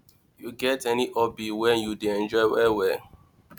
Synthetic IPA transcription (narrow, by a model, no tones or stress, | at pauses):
juɡɛtɛniʔɔbiwɛ̃njudeɛ̃nd͡ʒɔɪwɛwɛ